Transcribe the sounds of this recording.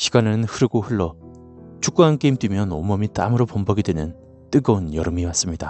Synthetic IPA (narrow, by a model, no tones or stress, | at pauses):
ɕʰiɡanɯnhɯɾɯɡoɸɯɭːʌ | t͡ɕuk͈uɦank͈eimdwimjʌnomʌmit͈a̰mɯɾopombʌɡidwenɯn | t͈ɯɡʌunjʌɾɯmiwas͈ɯmɲida